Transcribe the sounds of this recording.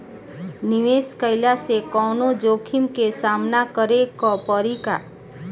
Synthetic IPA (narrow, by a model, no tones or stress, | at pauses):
nɪʋeːskəɪlasekɔːnod͡ʒoːkʰɪmkesaːmnakəɾekɔpəɾika̰ː